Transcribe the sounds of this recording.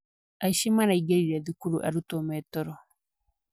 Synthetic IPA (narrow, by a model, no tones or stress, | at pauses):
aʃimanaiɡeɾiɾad̪ikuɾuʔa̰ɾutomɛtɔɾɔ